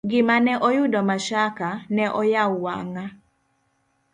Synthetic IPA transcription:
ɡɪmanɛʔɔjʊdɔmaʃakanɛʔɔjawwa̰ŋa

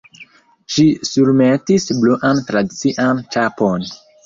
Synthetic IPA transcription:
ʃisuɾmetisbluʔantɾadit͡siʔant͡ʃapo̞n

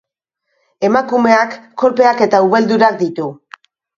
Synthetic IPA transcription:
e̞makume̞akːo̞lpe̞ake̞t̪auβ̞e̞ld̪uɾakd̪it̪u

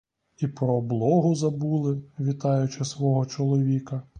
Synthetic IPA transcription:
ipɾɔːblˠɔɦʊzɐbulˠɪʋʲit̪ɑjʊt͡ʃɪsʋɔɦɔt͡ʃɔlˠɔʋʲikɐ

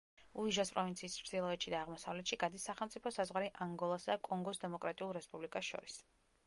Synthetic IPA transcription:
uiʒaspʼɾɔvint̪sʰiːssd̪ilˠɔɛt̪ʃid̪aːʁmɔsavlɛt̪ʃiɡad̪isːaχɛlˠmt̪sʼipʰɔsazʁwaɾiʔaŋɡɔlˠasad̪akʼɔŋɡɔsd̪ɛmɔkʼɾat̪ʼiulˠɾɛspʼublikʼasʃɔ̰ɾis

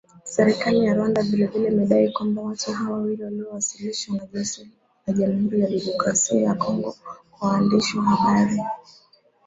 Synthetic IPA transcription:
sɛɾɛkalijaɾwandavilɛvilɛimɛɗaikwambawatuɦawawiɾiwaliɔwasiliʃanaʄɔs | naʄamiiulalimɔkɾasiajakʰɔŋɡɔkwawaːndiʃiɦaɓaɾi

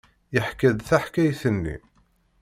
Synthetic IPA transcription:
jəħkæðθaħkæjθənːḭ

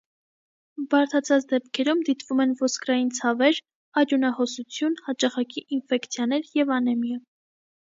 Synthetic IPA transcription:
bɑɾt̪ʰɑt͡sʰɑt͡sʰd̪ɛp̚kʰɛɾumd̪it̪vumɛnvɔskɾɑjint͡sʰɑvɛɾ | ɑɾjunɑhɔsut͡sʰjunhɑt͡ʃɑχɑkiʔinfɛkt͡sʰjɑnɛɾjɛvɑnɛmjɑ

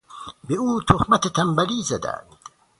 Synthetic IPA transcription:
beuːt̪ʰohmat̪et̪ʰambæliːzad̪æ̰nd̪̥

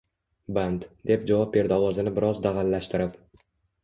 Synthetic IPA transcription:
band̪d̪e̞p̚d͡ʒavɒp̚be̞ɾd̪ɪɒwɒzɪnɪbɪɾɒzd̪aʁalːaʃt̪ɪɾɪp

